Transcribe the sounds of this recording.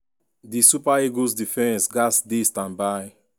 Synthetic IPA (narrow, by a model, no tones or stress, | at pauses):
disupaeɡos̬difɛ̃nsɡasdistãmba